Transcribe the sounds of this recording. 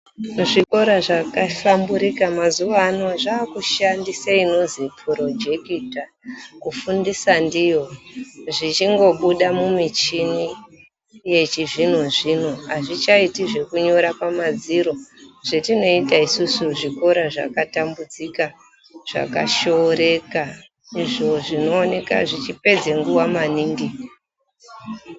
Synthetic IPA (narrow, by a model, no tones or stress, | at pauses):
ʐiko̞ɾaʐakafambuɾikamazuʋaːno̞ʐaːkuʃandisaino̞zipʰuɾo̞d͡ʒekita | kufundisandijoʐit͡ʃiŋɡo̞ɓuɗamumit͡ʃini | je̞t͡ʃiʐinoʐinoɦaʐit͡ʃaitiʐe̞kuɲo̞ɾapamad͡ziɾo̞ʐ̥etino̞itaisusuʐiko̞ɾaʐa̰katambud͡zika | ʐ̥a̰ka̰ʃoɾe̞ka | iʐo̞ʐino̞ːne̞ka̰ʐit͡ʃipe̞d͡zeŋɡuwamaniːŋɡi